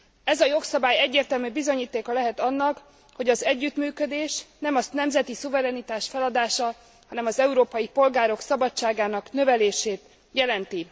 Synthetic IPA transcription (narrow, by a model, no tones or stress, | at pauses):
ɛzɒjo̞ksɒbaːjɛɟːeːrt̪ɛlmybizo̞ɲiːt̪eːkɒlɛɦɛt̪ɒnːɒk | ho̞ɟɒzɛɟːyt̪myːkø̞d̪eːʃnɛmɒsnɛmzɛt̪isuvɛɾɛnit̪aːʃfɛlɒd̪aːʃɒ | hɒnɛmɒzɛuɾoːpɒjipo̞lɡaːɾo̞ksɒbɒt͡ʃːaːɡaːnɒknø̞vɛleːʃeːt̪ | jɛlɛnt̪i